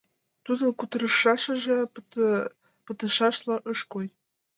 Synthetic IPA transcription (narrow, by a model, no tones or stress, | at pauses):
t̪ud̪ə̆kut̪əɾə̆ʃɑʃɤ̆ʒĕ | pə̆t̪ə̆ʃɑʃlˠɑ̆ʔɤʃkoj